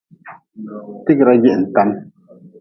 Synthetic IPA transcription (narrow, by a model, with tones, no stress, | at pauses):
ti˦kɾa˦ɡe˦˨ʔn̩˨ta˨˦n